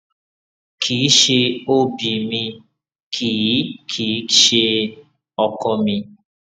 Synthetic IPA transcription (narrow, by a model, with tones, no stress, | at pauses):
kʰiː˨˦ʃe˧o˦bi˨mĩ˧ | kʰi˨˦kʰi˨˦ʃe˧ | ɔ˧kɔ˧mĩ˧